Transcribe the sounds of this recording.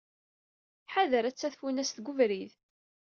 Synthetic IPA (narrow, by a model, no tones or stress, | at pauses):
ħaðəɾæt͡sːæθfunæsθɡʊvɾið